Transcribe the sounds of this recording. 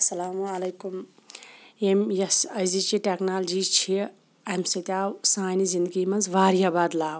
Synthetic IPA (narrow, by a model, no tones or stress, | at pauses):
ɐsɐlaːmuɐlɐjkum | emjɐsɐjzit͡ʃiʈeknaːld͡ʒit͡ʃʰi | ɐmsɐt̪ʲaːwsaːjnizind̪ɡimɐnzʋaːɾiabaːd̪laːw